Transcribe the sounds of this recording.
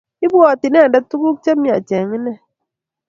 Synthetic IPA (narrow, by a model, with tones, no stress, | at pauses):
i˦bɔ˨ti˨nɛ˦˨da˦tu˦ɡu˦k̚t͡ʃɛ˦mi˦˨a˨t͡ʃɛ˨ŋi˦nɛ˦